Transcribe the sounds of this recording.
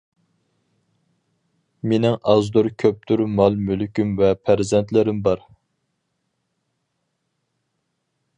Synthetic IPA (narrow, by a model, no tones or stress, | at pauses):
menɪŋɑzd̪uɾkʲʰøp̚t̪ʰyɾmɑlˠmylkʲymvɛpʰæɾzɛnt̪lɪɾɪmbɑɾ